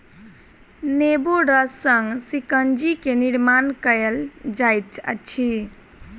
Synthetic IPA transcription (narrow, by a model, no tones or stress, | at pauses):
nebuɖəsəŋɡsikənd͡ʒikeniɾmankəeld͡ʒajt̪ə̰t͡ʃʰi